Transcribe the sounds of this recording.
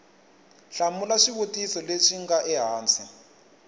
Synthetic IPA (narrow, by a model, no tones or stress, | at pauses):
ɬamulaʂiβotʼisɔleʂiŋɡaʔɛɦaːnt͡sʰi